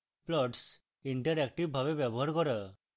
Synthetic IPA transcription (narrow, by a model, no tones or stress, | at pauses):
plɔʈs | iɳʈəɾɛk̚ʈiʋbʱabebjɛbɔɦaɾkɔɾə